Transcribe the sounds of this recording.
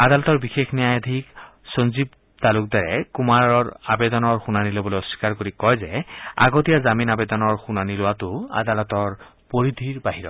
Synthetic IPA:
ad̪alɔt̪ɔɹbixexnijajad̪ʱik | sonzib | t̪aluk̚daɹɛkumaɹɔɹabɛd̪ɔnɔɹxunanilobɔlojɔsi̥kaɹkoɹikɔjzɛa̰ɡotijazaminabɛd̪ɔnɔɹxunanilʊwatʊa̰d̪alɔtɔɹ | poɹid̪ʱiɹbaɦiɹɔ̰

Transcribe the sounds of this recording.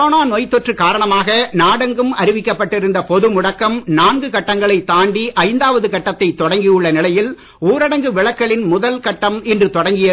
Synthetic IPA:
oːnaːnoːjt̪ːɔʈrɯkaːɾɐɳɐmaːɣɐnaːɽɐŋɡɯmɐɾɪʋɪkːɐpːɐʈːɪɾɯnd̪ɐpɔðɯmʊɽɐkːɐmnaːnɡɯkɐʈːɐŋɡɐɭɐɪt̪ːaːɳɖiʔɐɪnd̪aːʋɐðɯkɐʈːɐt̪ːɐɪt̪ːɔɽɐŋɡijʊɭːɐnɪlɐjɪl | uːɾɐɽɐŋɡɯʋɪɭɐkːɐɭɪnmʊðɐlkɐʈːɐmɪndrɯt̪ɔɽɐŋɡɪjɐ

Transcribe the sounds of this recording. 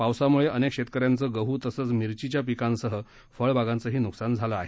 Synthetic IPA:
pawsamuɭeʔənekɕet̪kəɾjant͡səɡəɦut̪əsəːt͡smiɾt͡ɕit͡ɕjap̬ikãnsəɦə | fəɭbaɡãnt͡səɦiːnuksand͡zʱalaːɦe

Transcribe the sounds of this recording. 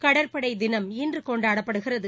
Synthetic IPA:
kɐɽɐɾpɐɽɐɪd̪ɪnɐmɪndrɯkɔɳɖaːɽɐpːɐɽɯɣɪrɐðɯ

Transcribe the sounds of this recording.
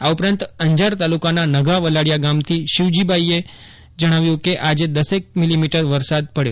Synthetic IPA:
aupɾãnt̪əɲd͡ʒaɾt̪alukananəɡaʋəlaɽjaɡamt̪ʰiʃɪʋd͡ʒibʱaie | d͡ʒəɽ̃aʋjũkeʔad͡ʒed̪əsek̚milimiʈəɾʋəɾsad̪̚pəɽjo

